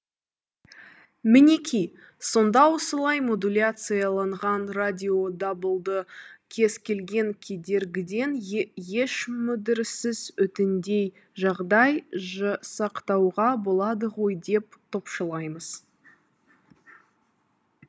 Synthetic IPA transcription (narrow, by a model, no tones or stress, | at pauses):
mɪne̞kʲʰij | so̞nd̪ɑwosəlˠɑjmo̞d̪ulʲat̪sɨjɑlˠɑɴʁɑnradʲio̞d̪ɑbəlˠd̪əkʲʰe̞z̥kʲʰe̞lɡʲe̞ŋkʲʰe̞d̪e̞ɾɡʲɪd̪e̞nje̞ʃmʏd̪ɪɾɪsɪzʏt̪ɪnd̪e̞j | ʒɑʁd̪ɑjʒsɑqt̪ɑwʁɑbo̞lˠɑd̪əʁo̞jd̪e̞p̚t̪ʰo̞pʃəlˠɑjməz̥